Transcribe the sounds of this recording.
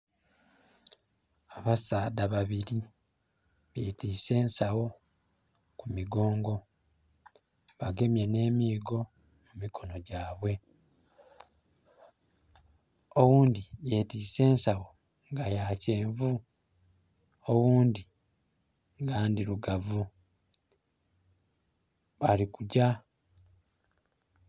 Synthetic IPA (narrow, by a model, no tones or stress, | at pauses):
aβasaːdaβaβiɾi | βetiːse̞ːnsawo̞ | kumiɡo̞ːŋɡo̞ | βaɡe̞mje̞ne̞ːmiːɡo̞ | mumikʰo̞no̞ɟaːβwe̞ | owuːndijetiːse̞ːnsawo̞ | ŋɡajaːce̞ːɱvu | owuːndi | ŋɡaːndiɾuɡavu | βalikuɟa